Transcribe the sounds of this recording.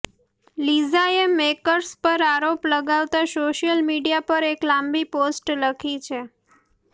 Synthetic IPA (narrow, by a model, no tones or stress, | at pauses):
lizaemekəɾspəɾaɾopləɡaʋt̪aʃoʃjəlmiɖijapəɾeklambiposʈləkʰit͡ʃʰe